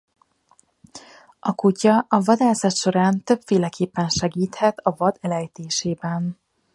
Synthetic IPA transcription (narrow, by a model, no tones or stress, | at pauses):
ʔɒkucɒɒvɒd̪aːsɒt̪ʃo̞ɾaːnt̪ø̞pfeːlɛkeːpːɛnʃɛɡiːt̪hɛt̪ʰɒvɒd̪ɛlɛjt̪eːʃeːbɛn